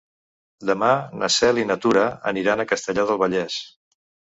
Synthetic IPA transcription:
d̪əmanə̰sɛlinət̪uɾəə̰niɾanəkəst̪əʎaðəlˠβəʎɛs

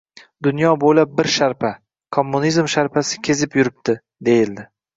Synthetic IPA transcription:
d̪ʊnjɒbojlab̚bɪɾʃaɾpʰa | kʰomːunizmʃaɾpʰasɪ̥kʲʰe̞zɪpjʊɾɪp̚t̪ɪ | d̪e̞jɪld̪ɪ

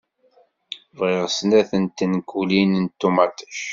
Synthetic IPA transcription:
vʁɪʁsnæθənt̪ːənkulinənt̪ːumæt̪ə̥ʃ

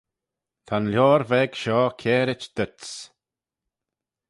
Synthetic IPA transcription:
t̪ʰanljɔːɾvɛɡ̥ʃɔːkʰɛːɾɪt͡ʃd̪̥ət̪s

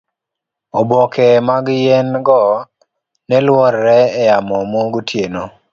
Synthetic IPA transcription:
obɔkɛmaɡjɛnɡɔ | nɛlwɔɾːɛːjamɔmoɡutjeno

